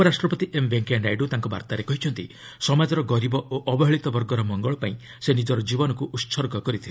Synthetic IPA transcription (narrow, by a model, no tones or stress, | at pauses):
pɔɾasʈɾɔpɔt̪iʔembeŋkaɳɖajɖut̪aŋkɔba̰ɾt̪aɾekɔɦit͡ʃʰɔnt̪ḭ | sɔmad͡ʒɔɾɔɡɔɾibɔʔoʔɔbɔɦeɭit̪ɔbɔɾɡɔɾɔmɔŋɡɔɭɔpaĩ | senid͡ʒɔɾɔd͡ʒibɔnɔkuʔut̪ːsʰɔɾɡɔkɔɾit̪ʰile